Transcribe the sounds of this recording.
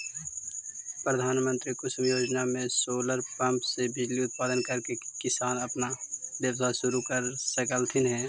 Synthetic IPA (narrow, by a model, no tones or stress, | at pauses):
pɾəd̪ʱaːnmə̃nt̪ɾikʊsmjoːd͡ʒnamẽsoːləɾpə̃mpsebɪd͡ʒliʊt̪̚paːd̪ənkəɾkekɪsaːnəpnaʋjəwsasʊɾukəɾsəkəlt̪ʰɪnɦɛː